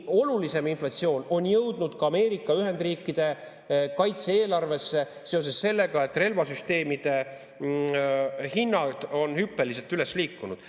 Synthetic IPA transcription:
o̞lulise̞minflɑt̪sio̞ːno̞njɤwd̪nud̪̥kɑɑmeːɾikːˑɑyɦe̞nd̪riːkːˑid̪̥e̞ | kɑjt̪seeːlɑrve̞sːe̞ | se̞o̞s̬e̞sːe̞lːe̞ɡɑe̞t̪ːˑre̞lvɑsyst̪e̞ːmid̪̥e̞ | hinːɑd̪̥o̞nhypːe̞lis̬e̞lt̪yle̞sliːkːˑunud̪̥

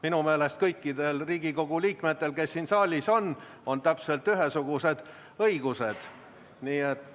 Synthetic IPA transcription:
minume̞ːle̞st̪̚kɤjkːˑid̪̥e̞lriːɡ̥iko̞ɡ̥ulʲiːkme̞t̪ːe̞lke̞sːiːnsɑːlʲiso̞n | o̞nt̪æpse̞lt̪yɦe̞suɡ̥use̞d̪̥ | ɤiɡ̥use̞d̪̥ | niːet̪ːˑ

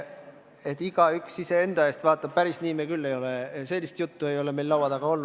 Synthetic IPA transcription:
e̞t̪ːˑiɡ̥ɑyksise̞e̞nd̪̥ɑe̞ːst̪vɑːt̪ːˑɑb̥̚pæɾisniːmekylːe̞jo̞lɛse̞lʲːist̪jut̪ːue̞jo̞leme̞jlːɑwɑd̪̥ɑɡ̥ɑo̞lnu̥

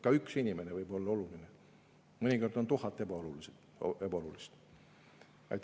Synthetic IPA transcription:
kɑyksinʲimenevɤjbo̞lːɑo̞luline | mɨnʲiko̞rd̪o̞nt̪uhɑt̪ːˑe̞bɑolulised̪̥ | ebɑolulist̪ | ɑ̰jt̪ː

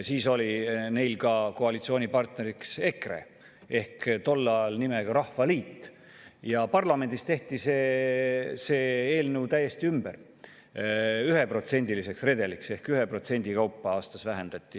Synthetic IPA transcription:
siːso̞line̞jlkɑko̞ɑlit̪sio̞ːnʲipɑrt̪ne̞ɾikse̞kre̞̰ | e̞hkt̪o̞lːɑlnimeɡɑɾɑhvɑliːt̪ːˑ | jɑpɑrlɑme̞nʲd̪̥ist̪e̞ht̪iseː | se̞ːeːlnewt̪æjːe̞st̪iymber | yɦe̞pro̞t̪se̞nʲd̪ilise̞ksre̞d̪e̞likse̞hkyɦepro̞t̪se̞nʲd̪̥ikɑwpˑːɑɑːst̪ɑsvæɦe̞nd̪̥ɑt̪ʲːˑi

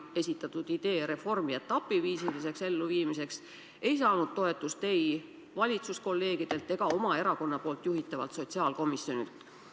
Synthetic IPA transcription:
e̞sʲit̪ːˑɑt̪ˑud̪̥id̪̥e̞ːɾe̞fo̞rmiet̪ːˑɑpːˑiviːsilise̞kse̞lːuviːmise̞ks | e̞jsɑːnud̪̥̚t̪o̞e̞t̪ːˑust̪e̞j | vɑlʲit̪susko̞lːe̞ːɡ̥id̪̥e̞lt̪ːˑe̞ɡ̥ɑo̞mɑe̞ɾɑko̞nːɑpo̞ːlt̪ˑjuɦit̪ːˑɑvɑ̰lt̪so̞t̪siɑːlko̞misjo̞nḭlt̪ˑ

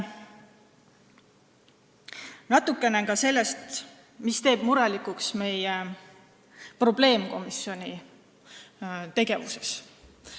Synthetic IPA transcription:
nɑt̪ːukːˑe̞nekɑse̞lːest̪ | mist̪e̞ːb̥muɾɑlikuksme̞je | pro̞b̥le̞ːmko̞̰misio̞nʲi | t̪e̞ɡe̞vuse̞s

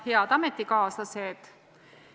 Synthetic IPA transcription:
heɑd̪ɑmet̪ːikɑːslɑsed̪̥

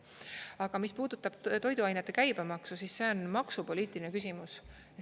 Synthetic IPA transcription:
ɑɡ̥ɑmispuːd̪̥ut̪ːˑɑb̥̚t̪o̞jd̪uɑjnet̪ːˑe̞kæjb̥emɑksusisːe̞o̞nmɑksupo̞lʲiːt̪ˑilinekys̬ʲimus

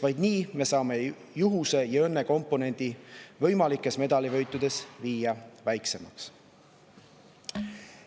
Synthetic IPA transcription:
vɑjd̪̥niːme̞sɑːme̞ | juɦuse̞jɑø̞nːe̞ko̞mpːˑone̞nʲd̪̥ivɤ̞jmɑlikːˑe̞sme̞d̪̥ɑlivɤ̞jt̪ːˑud̪e̞sviːjɑvæjkse̞mɑks

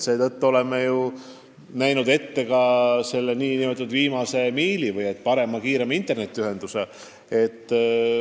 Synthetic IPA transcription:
se̞ːt̪ɤt̪ːuo̞le̞mːeju | næjnud̪e̞t̪ːe̞kɑse̞lːeniːniøt̪ːˑud̪viːmɑse̞miːlivɯje̞t̪ːˑpɑɾe̞mɑkiːɾe̞mint̪ːˑe̞rne̞t̪ːˑiyɦe̞nd̪̥use | e̞t̪ˑː

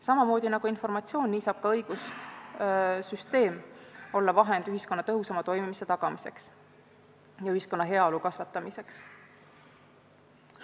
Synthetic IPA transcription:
sɑmɑmo̞ːd̪inɑɡ̥uinfo̞rmɑt̪sio̞ːnːiːsɑːb̥̚kɑɤjɡ̥us | syst̪e̞ːmo̞lːɑvɑɦe̞nd̪yɦisko̞nːɑt̪ɤɦusɑmɑt̪o̞jmimise̞t̪ɑɡ̥ɑmise̞̰ks | jɑyhisko̞nːɑɦe̞ɑolukɑsvɑt̪ːˑɑmise̞ks

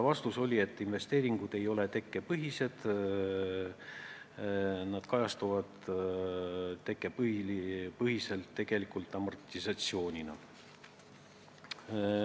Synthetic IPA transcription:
vɑst̪uso̞lʲie̞t̪ːˑinve̞st̪e̞ːɾiŋɡ̥ud̪̥e̞jo̞le̞t̪e̞kːˑe̞pɤɦise̞d̪̥ | nɑd̪̥kɑjɑst̪uvɑd̪̥ | t̪e̞kːˑep | pɤɦise̞lt̪ːe̞ɡ̥e̞likˑult̪ˑːɑmɑrt̪ʲːisɑt̪sio̞ːnʲinɑ

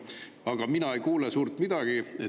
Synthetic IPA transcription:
ɑɡ̥ɑminɑejkuːlesuːrt̪mid̪̥ɑɡ̥ie

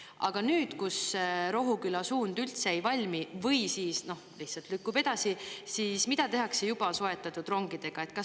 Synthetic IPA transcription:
ɑ̰ɡ̥ɑnyːd̪̥kusɾo̞ɦukylɑsuːnd̪ylt̪se̞ejvɑlʲmivɤjsiːsno̞hlihsɑlt̪lykˑːube̞d̪̥ɑsisiːsmid̪̥ɑt̪e̞ɦɑkse̞jubɑso̞e̞t̪ːˑɑt̪ːˑud̪̥ro̞ŋɡ̥id̪̥e̞ɡ̥ɑe̞t̪̚kɑs

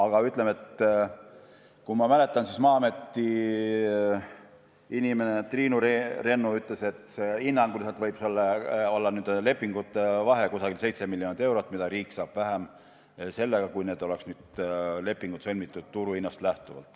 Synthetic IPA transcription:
ɑɡ̥ɑyt̪ˑle̞me̞t̪ | kumɑmæle̞t̪ːˑɑnsismɑːme̞t̪ːi | inime̞net̪riːnuɾre̞nːuyt̪le̞se̞t̪seinːɑŋɡ̥ulisɑlt̪vɤjb̥solːɑo̞lːɑnyːd̪le̞pːˑiŋɡ̥ut̪ːˑevɑɦe̞kusɑɡilse̞jt̪se̞milːjonid̪e̞wɾot̪ːˑmid̪ɑɾiːksɑːb̥væɦem | se̞lːeɡ̥ɑkujne̞ːd̪o̞le̞ksnyːd̪̥le̞pːˑiŋɡ̥ut̪sɤlʲmit̪ːˑud̪̥t̪uɾuinːɑst̪læht̪uvɑ̰lt̪ːˑ

